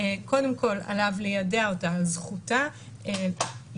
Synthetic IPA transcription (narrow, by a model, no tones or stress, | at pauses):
eko̞demko̞la̰lavlejadeaotazχuta | e